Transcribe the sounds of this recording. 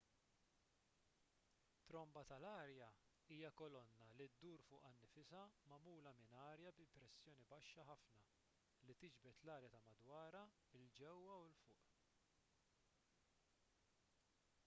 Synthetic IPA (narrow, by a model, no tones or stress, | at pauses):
t̪ːɾɔmbɐt̪ɐlɐːɾjɐ | iːjɐkɔlɔnːɐlid̪ːuːɾfʊːʔɐnːɪfɪsɐmɐmuːlɐmɪnɐːɾjɐbɪmpɾɛsːjɔːnibɐʃːɐħɐfnɐ | lit̪ɪd͡ʒbɛt̪lɐːɾjɐt̪ɐmɐd̪wɐːɾɐ | ɪld͡ʒɛwːɐwɪlfʊːʔ